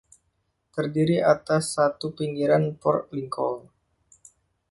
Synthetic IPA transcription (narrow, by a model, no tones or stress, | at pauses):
t̪ərdiɾiʔat̪asːat̪upiŋɡiɾanpɔ̰rliŋkɔ̰l